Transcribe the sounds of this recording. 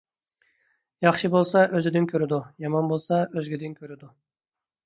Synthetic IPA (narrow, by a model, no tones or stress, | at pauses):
jɑχʃibolˠsɑʔøzɪd̪ɪnkʲʰøɾɪd̪ujɑmɑnbolˠsɑøzɡʲid̪ɪnkʲʰøɾɪd̪u